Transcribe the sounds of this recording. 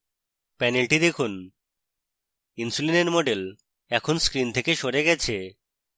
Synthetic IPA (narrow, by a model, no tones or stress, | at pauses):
pɛnelʈid̪ekʰun | insulenenmoɖel | ɛkʰonskɾint̪ʰekeʃoɾeɡɛt͡ɕʰe